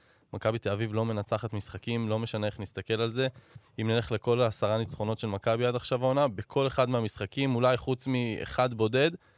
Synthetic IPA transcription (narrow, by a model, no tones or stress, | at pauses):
makabit̪eavivlo̞me̞nat͡saχet̪misχakimlo̞me̞ʃane̞eχnist̪ake̞lalze̞imnele̞χle̞ko̞laːsaʁanit͡sχo̞no̞t̪ʃe̞lmakabiadaχʃavaonabekʰo̞le̞χad̪meamisχakimulajχut͡smiḛχad̪bo̞de̞d̪